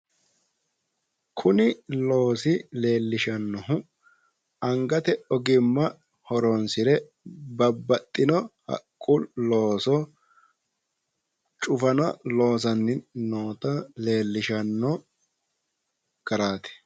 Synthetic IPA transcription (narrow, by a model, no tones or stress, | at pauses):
kʰʊnɪlo̞ːsɪle̞ːlːɪʃɐnːɔhʊ | ɐŋɡɐt̪ɛɔɡɪmːɐ | hɔɾɔnsɪɾɛ | bɐbːɐt̪ʼːɪnɔhɐ̰kʼːʊloːsɔ | t͡ʃʼʊfɐnɐlo̞ːs̬ɐnːɪnoːt̪ɐle̞ːlːɪʃɐnːɔ | ɡ̥ɐɾaːt̪ɛ̥